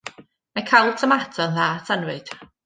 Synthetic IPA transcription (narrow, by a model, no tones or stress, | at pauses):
majkʰajlˠtʰəmatʰɔnðaːtʰənwɨd̥